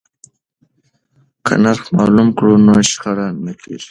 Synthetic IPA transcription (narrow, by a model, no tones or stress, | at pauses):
kʰa̰naɾxmɑːlumkɽunoʃχaɽanːəkʰḭɾ